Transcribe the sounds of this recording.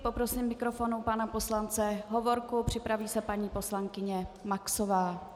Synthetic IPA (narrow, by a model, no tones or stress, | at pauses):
po̞pɾosɪmːɪkɾo̞fonupanapo̞slant͡sɛɦo̞vo̞ɾkupr̝̥ɪpɾaviːsɛpaɲiːpo̞slaŋkɪɲɛmaksovaː